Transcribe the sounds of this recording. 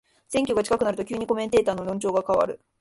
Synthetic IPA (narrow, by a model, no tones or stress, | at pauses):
sẽ̞ŋkʲo̞ɡat͡ɕi̥kakɯ̟naɾɯ̟t̪o̞kʲɨːɲ̟iko̞mẽ̞nt̪e̞ːt̪aːno̞ɾʲõɲt͡ɕo̞ːɡakaβa̰ɾɯ̟